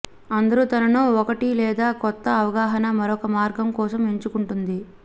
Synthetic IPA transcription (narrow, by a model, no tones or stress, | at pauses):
ɐnd̪ɐɾut̪ɐnɐnuɔkɐʈilɛːd̪aːkɔt̪ːɐːʋɐɡaːɦɐnɐmɐɾɔkɐmaːɾɡɐmkɔːsɐmeɲt͡ʃukuɳʈund̪i